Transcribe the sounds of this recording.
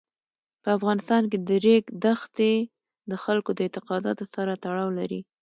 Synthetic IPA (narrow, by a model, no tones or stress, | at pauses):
pəafɣɑnɪst̪ɑnk̬ed̪əɾeɡd̪axt̪e | d̪əxalkod̪əɪnt̪ɪqɑd̪ɑ̰t̪osaɾat̪aɽɑwlaɾḭ